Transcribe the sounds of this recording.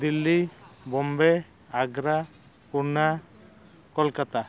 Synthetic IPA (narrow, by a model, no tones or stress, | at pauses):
d̪ilːibɔmbɛ | aɡɾa | puɾna | kɔlkat̪a